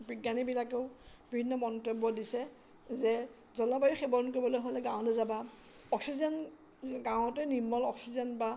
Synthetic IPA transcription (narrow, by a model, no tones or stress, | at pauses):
biɡanibilakeʊbibʱinːɔmɔntebːɔdisɛ | zɛ | zɔlabajixɛbɔɹnkoɹibɔlojɦolɛɡãw̃lɛzaba | ɔksizɛn | ɡãw̃ɔtɛnimːɔlɔksizɛnba